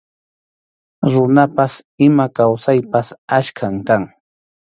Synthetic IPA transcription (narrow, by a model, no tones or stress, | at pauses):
ɾʊnapasɪmakawsajpasaʃkʰamkaŋ